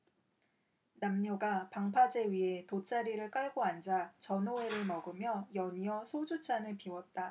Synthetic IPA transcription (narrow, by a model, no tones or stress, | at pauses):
namɲoɡapaŋpʰad͡ʑe̞ɥiɦe̞tot͡ɕ͈ʰaɾiɾɯɭk͈aɭɡoand͡ʑat͡ɕʌnoe̞ɾɯɭmʌɡɯmjʌjʌɲiʌsʰod͡ʑut͡ɕʰanɯɭpiwʌt̚t͈a